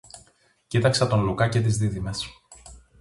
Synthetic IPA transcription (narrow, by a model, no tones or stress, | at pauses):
cit̪ɐksɐt̪o̞nlukɐce̞t̪̬izðiðime̞s